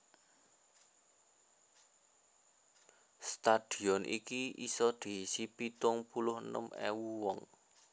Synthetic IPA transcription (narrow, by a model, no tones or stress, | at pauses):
st̪ad̪̥i̤ɔnʔḭkiisɔd̪̥i̤sipit̪ʊŋpulʊhənə̰mḛwuwɔŋ